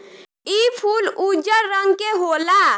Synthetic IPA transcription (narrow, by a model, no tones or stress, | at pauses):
ipʰulud͡ʒəɾːə̃ŋɡkeɦola